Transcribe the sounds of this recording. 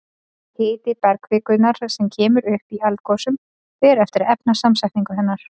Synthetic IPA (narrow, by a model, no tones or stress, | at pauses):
heːjt̪ɪpɛɾkvɪːkʏnaɾ̥sɛmcʰɛːmʏɾʏhpialt̪̚kɔsʏm | ɛɾɛft̪ɪɾɛpnasamsajht̪niŋkʏɦɛnːaɾ̥